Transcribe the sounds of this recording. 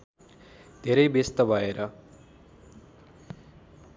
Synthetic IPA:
d̪ʱeɾʌjbest̪ʌbʱʌeɾʌ

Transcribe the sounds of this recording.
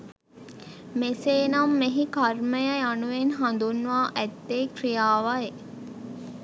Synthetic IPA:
meseːnɐmːeɦikarməjəjanuʋenɦand̪unːuʋaːʔæt̪ːeːkrijaːʋae

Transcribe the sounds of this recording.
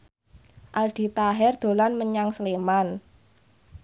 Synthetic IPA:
ʔald̪̥i̤t̪aɦɛrd̪̥o̤lanməɲaŋsəleman

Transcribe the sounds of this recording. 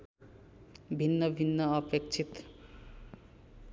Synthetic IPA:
bʱinːʌbʱinːʌʌpek̚t͡sʰit̪

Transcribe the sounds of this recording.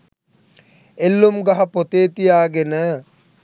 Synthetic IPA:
elːumɡaɦɐpot̪eːt̪ijaːɡenə

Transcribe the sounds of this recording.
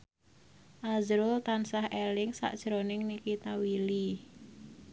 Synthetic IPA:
ʔazɾʊlt̪ansahelɪŋsa̰ʔd̥ʒ̥ɾonɪŋnikit̪awili

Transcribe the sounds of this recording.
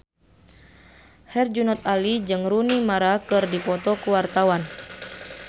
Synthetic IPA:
hɛrd͡ʒunat̪alid͡ʒɨŋrunimaɾakɨrdipɔt̪ɔkuwart̪awan

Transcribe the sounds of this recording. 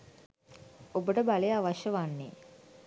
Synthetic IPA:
obəʈəbalejaʋaʃjəʋanːe

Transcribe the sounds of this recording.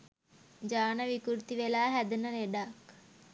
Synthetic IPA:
d͡ʒaːnəʋikuɾt̪iʋelaːɦæd̪unəleɖak

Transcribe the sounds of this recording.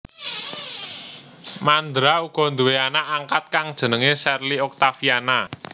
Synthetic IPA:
mand̪ɾauɡ̥ɔ̤nd̪uweanaʔːŋkat̪̚kaŋd̥ʒ̥ə̤nəŋesɛrliɔk̚t̪afiana

